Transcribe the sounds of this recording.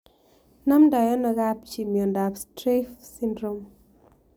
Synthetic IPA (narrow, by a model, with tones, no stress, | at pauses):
na˦mda˨jɔ˦nɔ˨ɡa˦pt͡ʃi˨mjɔ˨nda˨pstɾe˦fsi˦ndɾo˦m